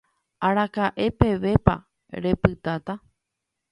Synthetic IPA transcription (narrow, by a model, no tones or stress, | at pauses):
aɾakaʔe̞pe̞ʋe̞pa̰ | ɾe̞pɨt̪at̪a